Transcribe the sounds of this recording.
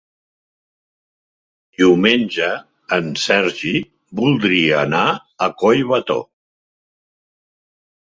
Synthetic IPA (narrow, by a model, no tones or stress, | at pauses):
d̪iwmenʲʒəː | nsɛɾʒi | bulˠd̪ɾiəːna | əkɔjβət̪o̰